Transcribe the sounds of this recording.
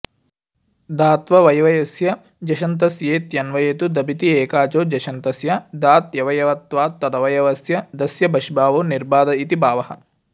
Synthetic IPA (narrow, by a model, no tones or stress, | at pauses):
d̪aːt̪ʋɐʋɐjʋɐjɐsjɐ | d͡ʒɐʃɐnt̪ɐsjeːt̪jɐnʋɐjet̪ud̪ɐbit̪ieːkaːt͡ʃoːd͡ʒɐʃɐnt̪ɐsjɐd̪aːt̪jɐʋɐjɐʋɐt̪ʋaːt̪ːɐd̪ɐʋɐjɐʋɐsjɐd̪ɐsjɐbɐʃibaːʋoːniɾbaːd̪ɐit̪ibaːʋɐɦɐ̆